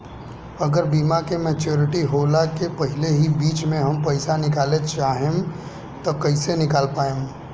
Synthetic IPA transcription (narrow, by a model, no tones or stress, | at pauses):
ɐɡəɾbiːmakemeːt͡ʃoːɾɪʈiɦoːlakepɐɦɪleɦibiːt͡ʃmẽɦɐmpɐɪsanɪkaːlet͡ʃaːɦẽm | t̪okɐɪsenɪkaːlpaːẽm